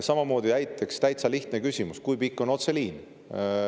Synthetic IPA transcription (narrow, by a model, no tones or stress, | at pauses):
sɑmɑmo̞ːd̪̥iæjt̪ˑːe̞kst̪æjt̪sɑliht̪nekysʲimuskujpikːo̞no̞t̪se̞liːn